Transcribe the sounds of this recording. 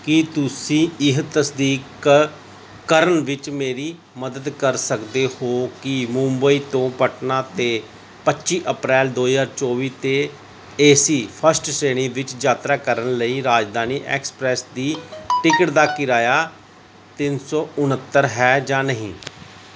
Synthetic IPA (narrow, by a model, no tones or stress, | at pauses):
kɪt̪ʊsĩːɪɦt̪əsd̪iːk | əɾəɳʋɪt͡ʃmeːɾiː | məd̪əd̪kəɾsəkd̪eːhoːkɪmʊ̃mbəiːt̪õːpəʈnãːt̪eː | pətːʃiːʔəpɾɛːld̪oːzaːɾt͡ʃɔːʋiːt̪eː | eːsiːpʰəɾsʈseːɽ̃ĩːʋɪt͡ʃd͡ʒaːt̪ɾaːkəɾəɳləiːɾaːd͡ʒd̪aːniːʔɛ̰ːkspɾɛːsd̪iːʈɪkəʈd̪aːkɪɾaːjaː | t̪ɪnsɔːʊnət̪ːəɾɦɛːd͡ʒãːnəɦĩː